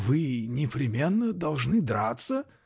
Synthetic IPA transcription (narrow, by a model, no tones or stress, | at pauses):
vɨnʲɪpɾʲɪmʲenːəd̪ɐlˠʐnɨd̪ɾat̪sə